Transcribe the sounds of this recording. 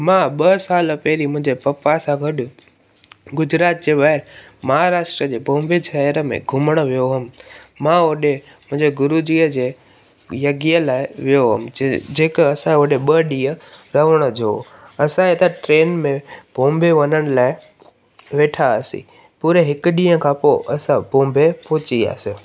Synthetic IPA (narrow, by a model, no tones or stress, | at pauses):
mãːɓɐsaːlpɛɦɪlimʊ̃ɦɪ̃ɲd͡ʑepɐpasãɡʱɐɗʊ | ɡʊd͡ʑɾaːt̪̚d͡ʑeːʋaːɪɾ | mɐɦaɾaːʃʈɾəd͡ʑeːbʱõːmbet͡ɕʰaəɾəmḛ̃ɡʱʊməɽ̃ə̆ʋijoɦɐm̆ːãoɗe | mʊ̃ɦɪ̃ɲd͡ʑeɡʊɾud͡ʑiːəd͡ʑeː | jɐɡiːəlaːɪʋijoɦʊ̰md͡ʑeːkɐsãʊɗeɓəɗĩːə̃ɾɐʋəɽ̃əd͡ʑoːɐsãet̪əʈɾeːnmẽb̥ʱõːmbʱeʋɐnəɽ̃ɪ̆laːɪ | ʋeːʈʰaəsḭ | puːɾeɦɪkʊɗĩːə̃kʰãːpoʔɐsãbõːmbʱepoːt͡ɕia̰ːse